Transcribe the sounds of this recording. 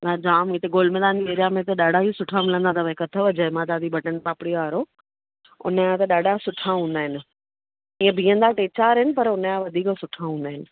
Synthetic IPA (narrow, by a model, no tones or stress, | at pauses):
jãd͡ʑaːmiːt̪eɡoːlmɛ̃ːd̪aːnd͡ʑiʋeːɾijamẽt̪ɐɗaːɖʱaɦisʊʈʰamɪlə̃nd̪at̪ʰɐʋẽkɐt̪ʰəʋɐd͡ʑəmãːt̪aːd̪ʱibʱɐʈənpaːpɪɽijoaːɾo | ʊ̰nəjãt̪ɐɗaːɖʱasʊʈʰaɦũːnd̪aːɦɪnɪ̆ | ĩːə̃bʱĩːə̃nd̪aʈeːt͡ɕaːɾɦɪnɪ̆pɐɾʊnəjãʋɐd̪ʱiːksʊʈʰaɦũːnd̪aːɦɪnɪ̆